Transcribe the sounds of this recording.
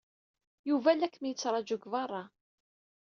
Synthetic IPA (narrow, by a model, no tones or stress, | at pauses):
juvælækːmjət͡sːɾˤɑd͡ʒʊɡvɑrˤːɑ